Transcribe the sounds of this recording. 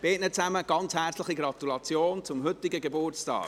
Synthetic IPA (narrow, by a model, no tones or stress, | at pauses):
b̥eːtnət͡sæməɡ̥ɑnt͡shɛɾt͡slɪχiɡrɑt̪ulɑt͡sjoːnt͡sʊmhʏt̪ːɪɡəɡebʊrt͡stɑ̰ːɡ